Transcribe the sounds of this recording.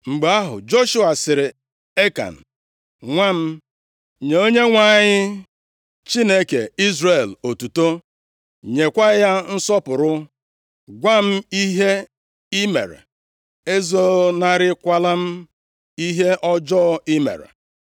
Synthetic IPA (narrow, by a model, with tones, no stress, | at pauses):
ŋ͡m̩˨ɡ͡ba˦ɦʊ̰˨d͡ʒo˦ʃu˦a˨sɪ˨ɾɪ˨ | e˦ka̰˨n̩˨ | ŋʷa˦m̩˦ | ɲe˨o˦ɲe˦ŋʷa˦˨ɲɪ˦ | t͡ʃi˦ne˦kḛ˨i˦zɾe˨lo˨tu˨to˦ | ɲe˨kʷa˦ja˦n̩˦sɔ˦pʊ˨ɾʊ˦ | ɡʷa˦m̩˦i˦ɦe˦ | i˦mḛ˨ɾḛ˨ | e˦zo˦na˦ɾɪ˦kʷa˦la˦m̩˦ | i˦ɦe˦ʔɔ˦d͡ʒɔː˦ɪ˦mḛ˨ɾḛ˨